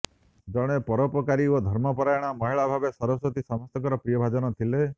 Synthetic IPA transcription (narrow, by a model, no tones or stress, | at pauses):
d͡ʒɔɽ̃epɔɾɔpɔkaɾiod̪ʱɔɾmɔpɔɾajɽ̃amɔɦiɭabʱabesɔɾɔsɔt̪isɔmɔst̪ɔŋkɔɾɔpɾijɔbʱad͡ʒɔnɔt̪ʰile